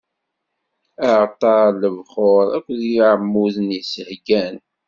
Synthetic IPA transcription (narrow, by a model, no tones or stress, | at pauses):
əʕt̪ˤːɑɾləvχoɾˤækʷːðiiʕəmːuðənjisəhɡæn